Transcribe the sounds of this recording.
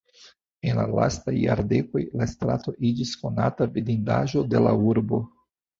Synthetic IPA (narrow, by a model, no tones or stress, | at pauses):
e̞nlala̰stajːa̰ɾde̞ko̞jlastɾato̞ʔid͡ʒisko̞natavidinda̰ʒo̞de̞lauɾbo̞